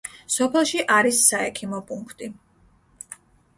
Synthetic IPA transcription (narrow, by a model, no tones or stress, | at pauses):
sɔpʰɛlˠʃiʔaɾisːaɛkʰimɔpʼuŋkʰt̪ʼi